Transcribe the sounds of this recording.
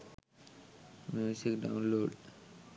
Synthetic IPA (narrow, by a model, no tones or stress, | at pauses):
mjusikɖa̰ʊnloːɖ